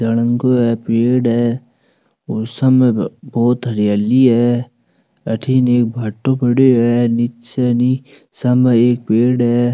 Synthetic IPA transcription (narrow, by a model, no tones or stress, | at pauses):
ɐɽə̃ŋkoɦɛpeːɽɦɛ | ʊsəmbɔːt̪ɦɐɾjaːliɦɛː | ɐʈʰineːk̚bʱɐʈːõpəɽeɦɛnɪtt͡ʃɛni | sɐməeːk̚peːɽɦɛ